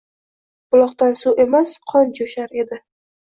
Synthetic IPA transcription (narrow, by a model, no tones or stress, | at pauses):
b̥ʊlˠɒqt̪ansuʔe̞masqʰɒnd͡ʒoʃaɾe̞d̪ɪ